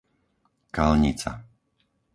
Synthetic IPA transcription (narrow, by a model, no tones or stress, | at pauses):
kalɲit͡sa̰